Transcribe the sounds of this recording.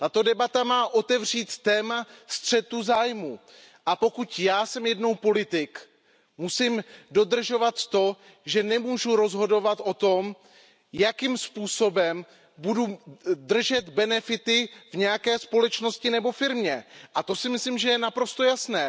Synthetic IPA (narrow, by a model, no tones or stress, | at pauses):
t̪at̪o̞dɛbat̪amaːʔo̞t̪ɛvr̝iːt̪ːɛːmast̪r̝̥ɛt̪uzaːjmu | ʔapo̞kut̪jaːsɛmjɛdno̞wpo̞lɪt̪ɪk | musɪmdo̞d̪r̩ʒo̞vat̪ːo̞ | ʒɛnɛmuːʒuɾo̞zɦo̞do̞vat̪ʔo̞t̪o̞m | jakimspuːso̞bɛm | bududr̩ʒɛt̪bɛnɛfɪt̪ɪvɲɛjakɛːspo̞lɛt͡ʃno̞scɪnɛbo̞fɪɾmɲɛʔat̪o̞sɪmɪslimʒɛjɛnapɾo̞st̪o̞jasnɛː